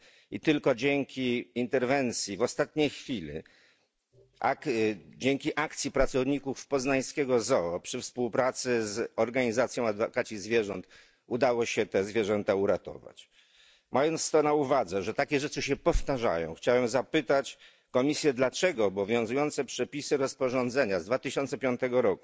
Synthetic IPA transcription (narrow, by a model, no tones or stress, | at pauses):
it̪ɘlkɔd͡ʑɛŋkʲiːnt̪ɛɾvɛnt̪sʲjivɔst̪at̪ɲejxfʲilḭ | ʔa̰kd͡ʑɛŋkʲiʔakt̪sʲjipɾat̪sɔvɲikufpɔznaj̃skʲɛɡɔzɔpʂɘfspuwpɾat̪sɘzɔɾɡaɲizat̪sʲjɔ̃w̃ad̪vɔkat͡ɕizvʲjɛʐɔnt̪ | ud̪awɔɕɛt̪ɛzvʲjɛʐɛnt̪auɾat̪ɔ̰va̰t͡ɕ | mʔajɔnt̪st̪ɔnauvad̪zɛʐɛt̪akʲɛʐɛt͡ʂɘɕɛpɔft̪aʐa̰jɔ̰̃w̃xt͡ɕawɛmzapɘt̪at͡ɕ | kɔmʲisʲjɛd̪lat͡ʂɛɡɔːbɔvʲjɔ̃w̃zujɔnt̪sɛpʂɛpʲisɘɾɔspɔʐɔnd̪zɛɲazd̪vat̪ɘɕɔnt̪sɛpʲjɔnt̪ɛɡɔɾɔku